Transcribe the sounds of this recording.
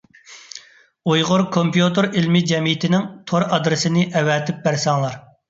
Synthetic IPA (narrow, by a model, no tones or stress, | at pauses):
ujʁʊɾkʰompjut̪ɨɾilmɪd͡ʒɛmijɪt̪ʰɪnɪŋt̪ʰoɾɑd̪ɾɪsɪnɪʔɛwɛt̪ʰɪp̚bæɾsɑŋlˠɑɾ